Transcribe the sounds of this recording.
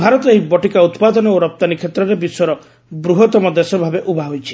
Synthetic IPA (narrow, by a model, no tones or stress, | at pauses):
bʱaɾɔt̪ɔɦibɔʈikaut̪pad̪ɔnɔoɾɔp̚t̪anikʰet̪ɾɔɾebisɔɾɔ | bɾuɦɔt̪ɔmɔd̪esɔbʱabeʔubʱaɦojt͡ʃʰi̥